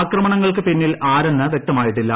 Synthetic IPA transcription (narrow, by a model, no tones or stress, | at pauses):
krɐmɐɳɐŋːɐɭkɨpinːilʔaːɾenːɐʋje̞k̚t̪ɐmaːjiʈːilːɐ